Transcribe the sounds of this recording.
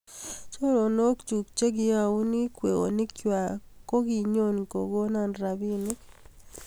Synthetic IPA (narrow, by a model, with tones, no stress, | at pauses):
t͡ʃo˦ɾo˨no˦kt͡ʃu˨kt͡ʃe˦ɡɪ˦a˨u˦ni˦kwe˨o̰˨nɪ˦kja˨ko˦ɡi˨ɲo˦nko̰˨ɡo˦na˦nɾa˨bi˦ni˦